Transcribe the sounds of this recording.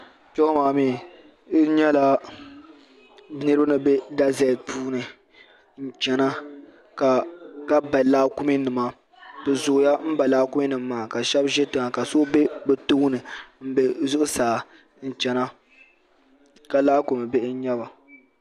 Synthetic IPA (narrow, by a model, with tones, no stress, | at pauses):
t͡ʃɛ˦maː˨miː˦˨˦ | ɲɛ˦la˦ | bnɨ˦ɾɨ˦bɨ˦nɨ˨be˦da˦zɛ˦˨pʰuː˦nɨ˨ | n̩˦t͡ʃɛ˦na˦ | ka˨ka˦ba˨laː˦kʊ˦mi˦nɨ˨ma˨ | dɨ˨zʊ˨ʔja˦m̩˦ba˨laː˦kʊ˦mi˦nɨ˨mː˦aː˨a˨ka˨ʃɛ˦bʒɛ˦tɨ˨ŋa˨ka˨so˦be˦bɛ˨tu˦nɨ˨m̩˦be˨zʊ˦ʔʊ˦saː˨ | n̩˨t͡ʃɛ˨na˦ | ka˨laː˦ko˨mɨ˨be˦ʔɲɛ˦ba˨